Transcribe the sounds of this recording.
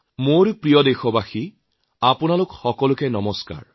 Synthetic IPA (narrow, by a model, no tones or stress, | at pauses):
moɹpɹijɔdexɔbaxi | apʊnalʊkxɔkɔlʊkɛnɔmɔska̰ɹ